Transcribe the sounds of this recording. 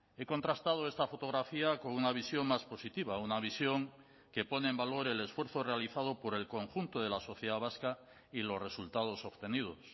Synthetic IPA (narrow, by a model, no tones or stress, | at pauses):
e̞ko̞nt̪ɾast̪að̞o̞e̞st̪afo̞t̪o̞ɣɾafiako̞nunaβ̞isjo̞ŋmaspo̞sit̪iβaunaβ̞isjo̞ŋ | ke̞po̞neeːmbalo̞ɾe̞le̞sfwe̞ɾθore̞aliθað̞o̞po̞ɾe̞lko̞ŋxunt̪oðe̞laso̞θjeðaβaska | ilo̞zre̞sult̪að̞o̞so̞βt̪e̞nið̞o̞s